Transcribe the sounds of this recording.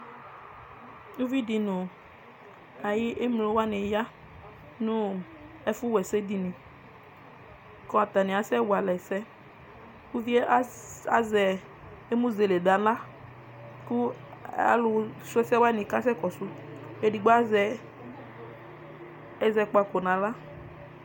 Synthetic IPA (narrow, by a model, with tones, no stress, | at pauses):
nu˦vi˦di˨nʊ˨ | a˨ji˦ʔe˦mlo˨˦wa˦ne˨ja˦ | nũ˦ | ɛ˦fu˦wɛ˨sɛ˦di˨nĩ˨ | kɔ̃˦a˨t̪a˨nĩ˨a˨sɛ˦wa˨lɛ˨sɛ˦ | ku˦vi˦a˦zɛ˨ | e˦mũ˦ze˨le˨da˨la˦ | ku˦a̰˨lʊ˨sʊ˦ɛ˦sɛ˦wa˦nɪ̃˨ka˦sɛ˦kɔ˨sʊ˦e˨di˨ɡ͡bɔ˦a˦zɛ˨ | ɛ˦zɛ˨k͡pa˨ko˨nã˨la˦